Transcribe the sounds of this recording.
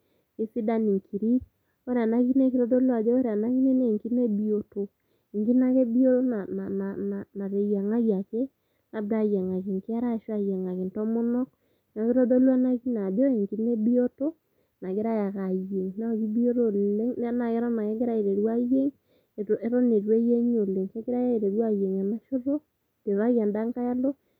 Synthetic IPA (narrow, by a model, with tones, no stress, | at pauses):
i˦si˦da˦ni˨ŋkʰi˨ɾi˦ | o˦ɾa˨na˦ki˦ne˦ki˦ɾo˦do˦lwa˨d͡ʒe˦o˦ɾa˨na˦ki˦ne˦ne˦˨ŋki˦ne˦bi˦o˨to˨ | i˨ŋki˦na˦ke˦bi˦o˦to˦na˨na˨na˨na˨na˨ɾe˨ja˨ŋa˦ɣa˨ke˦ | na˨b̚ɡa˨ja˨ŋa˨ki˨ŋkɪ˦a˦ɾa˦˨ʃwa˦˨ja˨ŋa˨ki˨n˨tɔ˦mo˦nɔ˦k̚ | na˨˦ke˦ɾo˦do˦lwa˦na˦ki˦na˨bo˦e˨ŋki˨˦ne˦bi˦o˦to˦ | na˨kɪ˦ɾa˦ja˨ka˨je˨ŋna˦˨ki˦bi˦o˦ɾo˦˨le˦ŋn˦a˦na˨ke˦ɾɔ˦na˨ke˦ke˦ɾa˦e˨ɾe˨ɾwa˦je˦ŋ | e˨te˦ɾɔ˦ne˨ɾwe˦je˦ɲ˦o˨le˨ŋke˦kɪ˦ɾa˦ja˦e˨ɾe˨ɾwa˦je˨ŋa˨na˦ʃo˦ɾo˦ | te˨βa˦ɣja˨nda˦ŋka˦ja˦lɔ˦